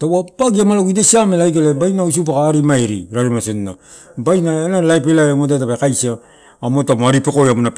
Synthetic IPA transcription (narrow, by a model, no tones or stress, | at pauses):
tawapaɡiamaloɡidesiamelajkelebajnaos̬up̬akaːɾimaeɾiɾaɾemasenːa | bajnaenalajpelaamot̬at̬apakajsiaː | motamoaɾipekojamunap